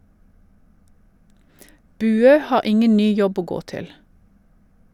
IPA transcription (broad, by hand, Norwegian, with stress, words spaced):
ˈbʉːøː ˈhɑːʁ ˈɪŋən ˈnyː ˈjɔb ˈoː ˈɡoː ˈtɪl